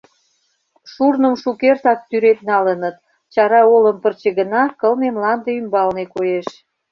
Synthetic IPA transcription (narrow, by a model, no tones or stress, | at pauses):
ʃurnə̆mʃukert̪ɑk̚t̪yɾet̪nɑlənət̪̚ | t͡ɕɑɾɑoləmpərt͡ɕeɣə̆nɑkəlnemlɑnd̪eymbɑlnekojeʃ